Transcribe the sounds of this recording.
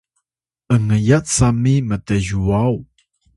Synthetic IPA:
ʔəŋəjat͡samiməteʒuaw

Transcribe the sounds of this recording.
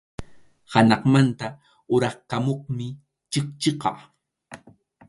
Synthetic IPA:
hanɑχmant̪a | ʊɾɑχkamoχmɪ | t͡ʃɪkt͡ʃɪqɑ̰

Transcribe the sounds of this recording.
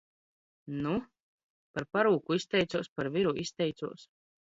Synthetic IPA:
nu | paɾpaɾuːkuist̪ɛjt̪suɔspaɾvʲiɾuʔist̪ɛjt̪suɔs

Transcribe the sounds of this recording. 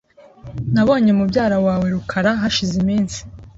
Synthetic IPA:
naβo̞ːɲe̞mubɟaːɾawaːwe̞ɾukʰaɾaɦaʃizimiːnsi̥

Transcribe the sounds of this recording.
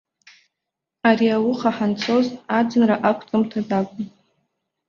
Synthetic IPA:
aɾiawʊχaħant͡sʰo̞zad͡zɨnraʔakʷʰtʼɨmtʰadakʷʼʊn

